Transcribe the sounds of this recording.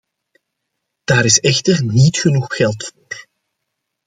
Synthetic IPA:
d̥aːɾɪsɛxtərnitxənuxxɛlˠtfoːr

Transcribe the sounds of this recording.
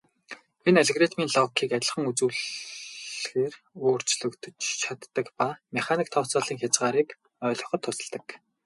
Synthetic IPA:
enaɮeɣret̪miːnɮɔkʰːiːkaæt̪ʲɪ̆ɮχə̆ŋut͡sŭːɮ | xeːr | oːr̥t͡ɕɮɵ̆kt̪ʰɵ̆t͡ɕt͡ɕʰat̪ːə̆kpameχaniːk̚t̪ʰɔwʰt͡sɔːɮiːŋxʲjat͡sɢaːɾiːk | œːɮʲɞ̆χɞ̆t̪ʰːʊsə̆ɮt̪ə̆k

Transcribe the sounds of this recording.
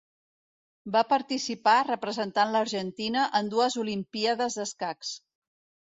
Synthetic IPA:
bapəɾt̪isiparəpɾəzənt̪anləɾʒənt̪inəʔənd̪uəzulimpiaðəzðəskaks

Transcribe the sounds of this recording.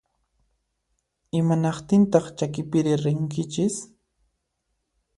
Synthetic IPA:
ɪmanɑqt̪ɪnt̪ɑχt͡ʃakɪpɪɾɪɾɪŋkɪt͡ʃɪs

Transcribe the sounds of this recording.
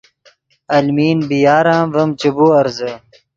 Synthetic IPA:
ɐlmiːnbijaːɾãːvɐmt͡ɕɐbuɐɾzə

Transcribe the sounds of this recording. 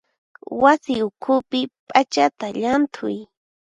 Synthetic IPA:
wasɪʊkʰʊpɪpʼat͡ʃat̪aʎant̪ʰʊj

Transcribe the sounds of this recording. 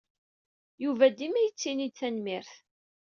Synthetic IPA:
juvæd̪imæjət͡sːinit͡sːænmɪɾθ

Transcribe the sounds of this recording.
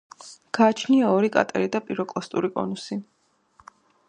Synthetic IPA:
ɡ̥aːt͡ʃʰniaɔɾikʼa̰t̪ʼɛ̰ɾid̪apʼiɾɔkʼlˠɔst̪ʼuɾikʼɔ̰nusi

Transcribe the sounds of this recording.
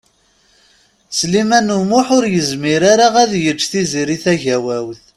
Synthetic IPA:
slimænumʊħʊɾjəzmiɾaɾaʁæðjəd͡ʒθiziɾiθæʝæwæwθ

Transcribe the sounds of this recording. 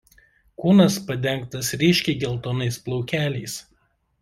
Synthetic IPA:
kuːnɐspɐd̪ʲɛŋˑk̚t̪ɐsɾʲɪʃʲkʲɛɪɡʲɛlˠt̪oːnɐɪsplˠɔʊkʲæːlʲɛɪs

